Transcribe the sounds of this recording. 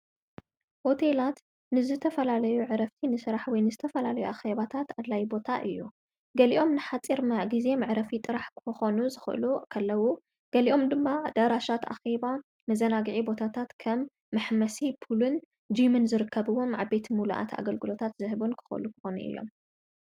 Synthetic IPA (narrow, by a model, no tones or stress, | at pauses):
ho̞t̪ʰe̞lat̪ | nɨzɨt̪ʰɐfɐlalɐjuʕɨɾɐft̪ʰinɨsɨɾaħwɔjnɨzɨt̪ʰɐfɐlalɐjuʔaxeβat̪ʰat̪ad̪lajbo̞t̪ʰaʔɨjːu | ɡɐliʔo̞mnɨħat͡sʼiɾmaɡize̞mɨʕɨɾɐfit̪ʼɨɾaħkɨxo̞nuzɨxɨ̰ʔɨ̰lukʰɐlːɐwu | ɡ̥ɐliʔo̞md̪ɨmːad̪aɾaʃat̪ʔa̰xeba | mɐzɐnaɡɨʕibo̞t̪ʰat̪ʰat̪kʰɐmː | ɨħmɐsipʰulɨn | d͡ʒimɨnzɨɾɨkʰːɐβɨwo̞mʕabːe̞t̪ʰimuluʔa̰t̪ʰa̰ɡɐlɡɨlo̞t̪ʰat̪zɨhɨbunkʰɨ̥xɨ̰ʔɨ̰lukʰɨ̥xonṵʔɨ̰jːo̞̰m